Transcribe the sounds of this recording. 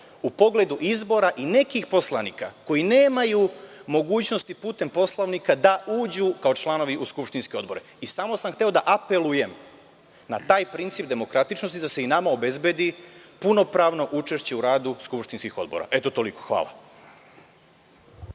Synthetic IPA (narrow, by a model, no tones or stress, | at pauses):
upo̞ɡle̞d̪uʔizbo̞ɾaʔine̞kixpo̞slˠanika̰ko̞jine̞ːmajumo̞ɡuːt͡ɕno̞st̪ipuːt̪e̞mpo̞slˠaʋnikad̪aʔuːd͡ʑukao̞t͡ʃlˠano̞ʋiʔuskupʃt̪inske̞o̞d̪bo̞ɾe̞ | isamo̞samxt̪e̞o̞d̪aʔape̞lˠuje̞m | nat̪aːjpɾint̪siːpd̪e̞mo̞kɾat̪it͡ʃno̞st̪id̪aseinamao̞be̞zbe̞d̪ipuno̞pɾaːʋno̞ʔut͡ʃe̞ʃt͡ɕe̞uɾaːd̪uskupʃt̪inskixo̞̰d̪boɾa̰ʔe̞t̪o̞t̪o̞liko̞̥xʋa̰ːlˠa̰